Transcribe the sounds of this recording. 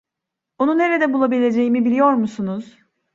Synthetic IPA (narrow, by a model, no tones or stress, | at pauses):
onune̞ɾed̪ɛbulˠabilʲe̞d͡ʒe̞jimibilʲijo̞ɾmusunuz̥